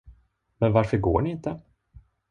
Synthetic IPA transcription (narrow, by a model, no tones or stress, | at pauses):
mɛnvaɾfœɾɡo̰ːɳɪɪnt̪ə